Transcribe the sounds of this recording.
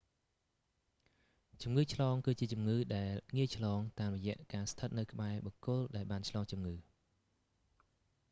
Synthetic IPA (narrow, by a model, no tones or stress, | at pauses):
t͡ɕumŋɨːt͡ɕʰlɑːŋkɨːt͡ɕiət͡ɕumŋɨːɗaɛlŋiəjt͡ɕʰlɑːŋt̪aːmrɔjɛ̆əʔkaːst̪ʰət̪̚nɨwkə̆ɓaɛɓɑkʊəlɗaɛlɓaːnt͡ɕʰlɑːŋt͡ɕumŋɨː